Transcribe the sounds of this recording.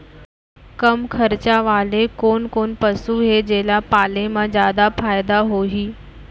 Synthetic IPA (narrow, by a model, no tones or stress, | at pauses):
kəmkʰəɾt͡ɕaʋaːlekoːnkoːnpəsuɦed͡ʑeːlapaːlemãzjaːd̪afʰaːjd̪aɦoːɦiː